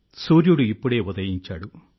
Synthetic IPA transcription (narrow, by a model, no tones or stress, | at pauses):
suːɾjuɽuipːuɽe̞ːud̪ɐjiɲt͡ʃːa̰ːɽu